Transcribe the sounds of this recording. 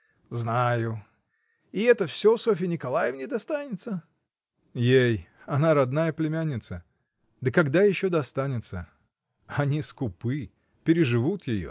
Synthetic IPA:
znajʊ | ɪɛt̪əfsʲosofʲɪnʲɪkalˠajɪvnʲɪd̪ɐst̪anʲɪt̪sə | jej | ɐnaɾɐd̪najəplʲɪmʲanʲːɪt̪sə | d̪əkɐɡd̪ajɪɕːod̪ɐst̪anʲɪt̪sə | ɐnʲiskʊpɨ | pʲɪɾʲɪʐɨvut̪jɪjo̰

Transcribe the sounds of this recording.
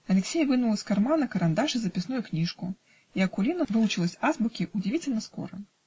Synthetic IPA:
ɐlʲɛksʲɛjvɨnulˠɐskarmanɐkɐɾand̪aʂɨzɐpʲɪsnujuknʲiʂku | iɐkulʲinɐvɨlˠut͡ʃɨlˠɐsʲazbukʲiʔud͡zʲivʲit͡sʲelʲnɐskɔ̰ɾɐ̰

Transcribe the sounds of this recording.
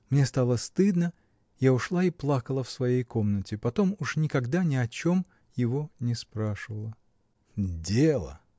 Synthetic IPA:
mnʲest̪alˠəst̪ɨd̪nə | jaʊʂlˠaiplˠakəlˠəfsvɐjejko̞mnətʲɪpɐt̪o̞muʂnʲɪkɐɡd̪anʲɪɐt͡ɕo̞m | jɪvo̞nʲɪspɾaʂɨvəlˠə | dʲelˠə̰

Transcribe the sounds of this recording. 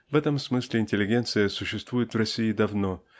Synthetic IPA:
vɛt̪əmsmɨsʲlʲɪɪnʲtʲɪlʲɪɡʲe̞nt̪sɨjəsʊɕːɪst̪vujɪt̪vrɐsʲːiɪd̪ɐvno̞

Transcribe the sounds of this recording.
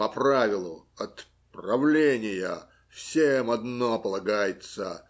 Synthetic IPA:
pɐpravʲɪlˠʊ | ɐt̪ | prɐvlʲenʲɪjə | fsʲemɐd̪nopəlˠɐɡajɪt̪sə

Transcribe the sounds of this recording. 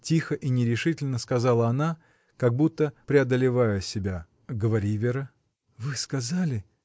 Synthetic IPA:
tʲixəʔinʲɪɾʲɪʂɨtʲɪlʲnəskɐzɑlˠəɐna | kɐɡ̚but̪ːəpɾʲɪɐd̪əlʲɪvajəsʲɪbʲa | ɡəvɐɾʲivʲɪɾə | vɨskɐzalʲɪ

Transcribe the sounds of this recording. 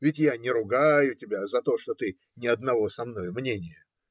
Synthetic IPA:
vʲɪtʲjanʲɪɾʊɡajʊtʲɪbʲazɐt̪o̞ʂt̪ot̪ɨ | nʲɪɐd̪̚nɐvo̞sɐmno̞jmnʲenʲɪjə

